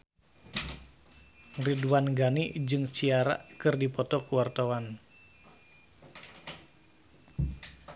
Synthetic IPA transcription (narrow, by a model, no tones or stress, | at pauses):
riduwanɡanid͡ʒɨŋt͡ʃiaɾa̰kɨrdipɔt̪ɔkuwart̪awan